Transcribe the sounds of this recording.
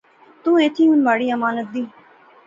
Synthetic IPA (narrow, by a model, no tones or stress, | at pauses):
t̪ũːẽːt̪ʰĩːʊnʋaːɽiːəmaːnət̪̚d̪iː